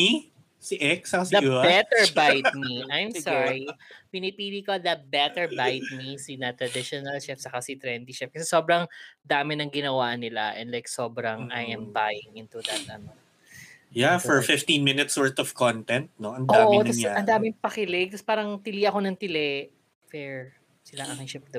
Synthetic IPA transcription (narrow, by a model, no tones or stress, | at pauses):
i | siʔɛksɐɐsd̪ɐbɛt̪ɛɹbajt̪̚miʔajmsaɹipɪnɪpiːlikod̪ɐbɛt̪ɛɹbajt̪̚misinɐt̪ɾɐd̪ɪʃonɐlʃɛfsɐkasit̪ɾɛnd̪iʃɛf̚kɐsɛso̞ːbɾɐŋd̪aːmɪnɐŋɡɪnɐwaʔnɪla̰ʔɛ̰̃ndlajkso̞ːbɾɐŋʔajʔɛmbajɪŋɪnt̪ud̪ɐt̪ʔɐno | jafɔɹfɪft̪ĩnmɪnɪt̪sɔɹt̪ɔvkont̪ɛnt̪̚noʔɐndoaʔmtnɐsɐnd̪aːmɪpɐkɪlɛɡ̚t̪ɐspaːɾɐŋt̪ɪliʔɐko̞nɐŋt̪ɪlɛ | fɛɹ | sɪlɐŋʔɐkɪŋʃɐpd̪ɐ